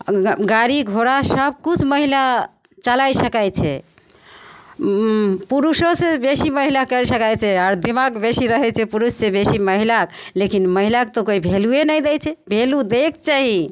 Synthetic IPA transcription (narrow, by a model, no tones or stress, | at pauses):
ɡaɾiɡʱoɾasəb̚kut͡ʃʰməɦila | t͡ʃəlajsəkajt͡ʃʰɛ | puɾusosebesiməɦilakəɾsəkajt͡ʃʰɛaɾd̪imaɡbesiɾəɦɛt͡ʃʰɛpuɾusːẽbesiməɦilak | lekinməɦilakt̪okoibʱeluenəjd̪ɛt͡ʃʰɛbʱelud̪ek̚t͡ʃaɦi